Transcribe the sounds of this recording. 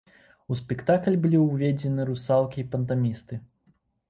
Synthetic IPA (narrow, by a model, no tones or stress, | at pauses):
uspʲɛkt̪aklʲbɨlʲiwvʲed͡zʲɛnɨɾusalˠkʲiːpɐnt̪amʲist̪ɨ